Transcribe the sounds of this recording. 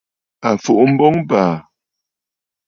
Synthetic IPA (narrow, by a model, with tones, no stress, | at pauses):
a˨fo˨ʔm̩˦bɔ˦ŋbaː˨